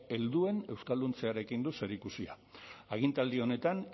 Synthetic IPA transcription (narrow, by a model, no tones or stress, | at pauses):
e̞ld̪ue̞ne̞wskald̪unt͡se̞aɾe̞kind̪use̞ɾikusia̰ | aɣ̞int̪ald̪io̞ne̞t̪an